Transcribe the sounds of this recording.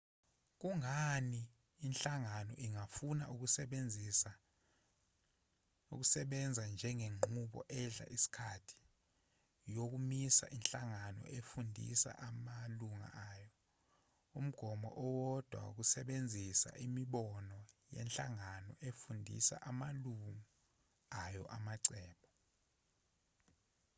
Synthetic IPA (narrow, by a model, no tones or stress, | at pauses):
k̬uŋaniː | nɬaŋanɔ̰ʔiŋafunaʔuk̬usɛɓend͡zʱisa | uk̬usɛɓɛnd͡zʱand͡ʒʱɛŋeŋ͡ǃʱuɓɔ̰ʔɛɮa̰ʔisi̥kʰatʰi̥ | jok̬umisa̰ʔinɬaŋanɔ̰ʔefundʱḭsa̰ʔamaluŋa̰ʔajɔ | um̩ɡ̥ʱɔmɔ̰ʔɔwɔd̥ʱwa̰ṵk̬usɛɓend͡zʱisa̰ʔimiɓɔnɔjɛ̰nɬʼaŋanɔʔefundʱḭsa̰ʔamaluŋu | ajɔʔamaǀɛːɓɔ